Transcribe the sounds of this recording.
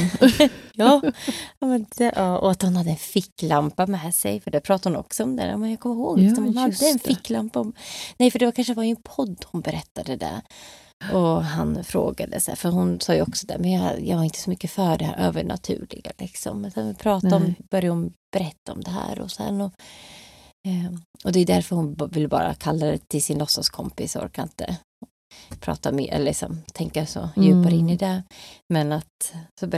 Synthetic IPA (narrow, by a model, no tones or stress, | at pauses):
jɑː | mɛnɛʔɑːɔat̪hʊnhad̪ːəɛnfɪkːlampamɛsɛ̰jfœɖæɾpʰɾɑːt̪ːaɾhʊnɔ̰ksɔɔmd̪ɛ̰a̰mɛnjakʰɔmːɪɾhoːɡ̪ɪsɔmhʊnhad̪ːəːnfɪkːlampaɔmnɛjfœɖɛvaɾkʰanʂəd̪vaɾɪŋənpʰɔd̪ːhʊnbɛɾɛt̪ːad̪əd̪ɛ̰ | ɔɦanfɾo̰ːɡa̰d̪ə̰sɛ̰ːɾfœɾɦʊnsɑːjʉɔksɔd̪ɛ̰mɛnjɑjɑ̰vaɾɪnt̪ə̥sɔmʏkːəfœɖɛhæ̰ːɾʔøːvəɳa̰t̪ʰʉ̟̰ːlɪ̰ɡalɪksɔ̰mːɛnsɛnvɪpʰɾɑːt̪aɔmb̥œɾjahʊnb̥ɛɾɛt̪ːaɔmd̪ɛɦæ̰ːɾɔ̰sɛ̰nːɔ | ɔd̪ɛjɵd̪æɾfœɾhʊnvɪlːbɑ̰ːɾa̰kʰalːad̪ɛt̪ʰɪlsɪnlɔsɔskʰɔmpɪsɔ̰ɾkʰaɪnt̪ə̰ | pʰɾɑ̰ːt̪amɪʔɛ̰lːlɪksɔ̰mt̪ʰɛŋkaso̰jʉ̟ːpaɾɪnːɪd̪ɛmɛnat̪sɔb